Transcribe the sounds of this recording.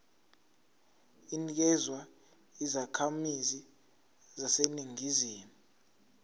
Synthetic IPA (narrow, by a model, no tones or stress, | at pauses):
inik̬ɛzwa | izakʰamizi | zaseniŋiziːmu